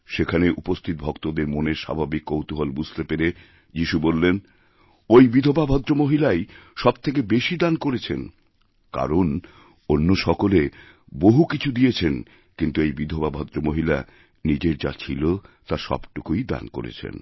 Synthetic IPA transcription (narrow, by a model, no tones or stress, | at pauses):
ʃekʰaneʔupost̪ʰit̪̚bʱɔkt̪od̪eɾmoneʃa̰bʱabikːowt̪uɦolbud͡ʑʱt̪epeɾe | d͡ʑiʃubolːen | ojbid̪ʱobabʱɔd̪ːɾomoɦilajʃɔb̚t̪ʰek̬ebeʃid̪ankoɾet͡ɕʰen | ka̰ɾon | onːoʃɔkole | boɦukit͡ɕʰud̪ijet͡ɕʰen | kint̪uejbid̪ʱobabʱɔd̪ɾomoɦila | nid͡ʑeɾd͡ʑa̰t͡ɕʰilot̪aʃɔ̰bʈukujd̪a̰nko̰ɾḛt͡ɕʰḛn